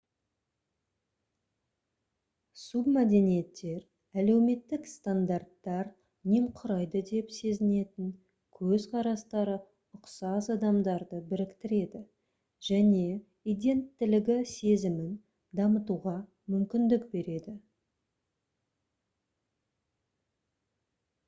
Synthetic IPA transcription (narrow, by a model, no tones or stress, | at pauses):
submæd̪e̞nije̞t̪ːe̞ɾ | æle̞wme̞t̪ːɪkst̪and̪art̪ːɑɾ | nemqʰʊɾɑjd̪əd̪e̞pse̞zɪne̞t̪ɪŋ | kʲʰɵzqʰɑɾɑst̪ɑɾə | ʊqsɑsɑd̪ɑmd̪ɑɾd̪əbɪɾɪkt̪ɪɾe̞d̪ɪ | ʒ̥æne̞ | id̪ʲe̞nt̪ːɪlɪɡʲɪse̞zɪmɪn | d̪ɑmət̪uʁɑ | mʏmkʲɪnd̪ɪkbe̞ɾe̞d̪ɪ